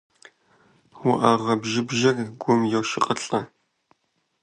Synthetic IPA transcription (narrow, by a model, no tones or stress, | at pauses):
wʊʔaːʁɐbʒɪbʒɐrɡʷʊmjɛwʃɪqʼɐɬʼɐ